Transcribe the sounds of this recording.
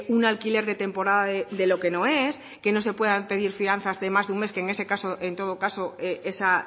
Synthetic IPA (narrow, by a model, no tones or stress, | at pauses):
unalkile̞ɾðe̞t̪e̞mpo̞ɾaðaðed̪e̞lo̞ke̞no̞e̞s | ke̞no̞s̬e̞pwe̞ðape̞ðiɾfian̟θazðe̞mazðunme̞skeːŋe̞se̞kasoʔe̞nt̪o̞ð̞o̞kaso̞eʔe̞sa